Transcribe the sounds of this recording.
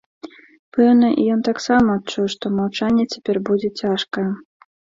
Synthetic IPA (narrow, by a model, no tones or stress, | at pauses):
pɛwnɐʔḭjɔnt̪aksamɐːt̚t͡ʂujʂt̪ɔmɐwt͡ʂanʲːɛt͡sʲḁpʲɛrbud͡zʲɛt͡sʲaʂkɐ